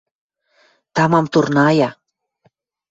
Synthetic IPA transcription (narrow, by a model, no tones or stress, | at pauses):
t̪ɑmɑmt̪urnɑjɑ